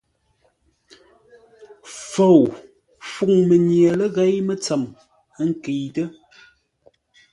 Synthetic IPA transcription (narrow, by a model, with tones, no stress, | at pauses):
fo˨w | fu˨ŋmə˨ɲjə˨lə˦ɣe˨˦jmə˦t͡sə˨m˦ | ŋ̩˦ki˨tə˦